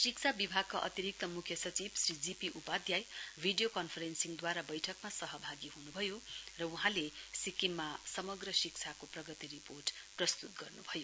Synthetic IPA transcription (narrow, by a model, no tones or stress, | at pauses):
sik̚t͡sʰabibʱaɡ̚kaʔʌ̰t̪iɾik̚t̪ʌmukʰjʌsʌt͡sibsrid͡zipiʔupad̪jajbʱiɖijokʌnpʰʌɾensiŋd̪waɾabʌjʈʰʌkmasʌɦʌbʱaɡiɦunubʱʌjorʌuɦãlesikimːasʌmʌɡrʌsikt͡sʰakoprʌɡʌt̪iɾiporʈprʌst̪ut̪̚ɡʌrnubʱʌjo